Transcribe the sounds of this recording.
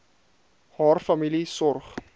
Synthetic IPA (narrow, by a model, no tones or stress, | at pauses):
hɑːrfɐmilisɔrχ